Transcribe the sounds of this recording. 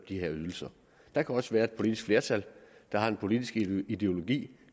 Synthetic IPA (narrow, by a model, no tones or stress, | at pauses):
d̥iheɐ̰yðˠl̩sɐ | d̥ɑ̈kʰæɒ̽səʋæːɐe̝d̥̚pʰo̝lid̥isɡ̥fle̝ɐt͡sʰæl̰d̥ɑ̈hɑ̈enpʰo̝lid̥isɡ̥id̥e̝o̝lo̝ɡ̥ḭː